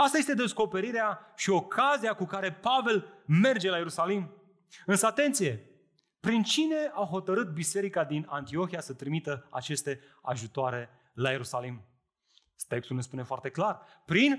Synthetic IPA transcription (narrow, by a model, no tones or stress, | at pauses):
ast̪aje̞st̪e̞d̪e̞sko̞pe̞ɾiɾeaʃio̞kʰaziakukaɾe̞pave̞lme̞rd͡ʒe̞laje̞ɾusalim | ɨnsəat̪e̞nt̪sije̞ | pɾint͡ʃine̞awɦo̞t̪əɾɨt̪̚bise̞ɾikad̪inant̪io̞xijasət̪ɾimit̪əa̰t͡ʃe̞st̪e̞ | a̰ʒut̪oaɾe̞ | laje̞ɾusalim | t̪e̞kst̪ulne̞spune̞foart̪e̞klarpɾin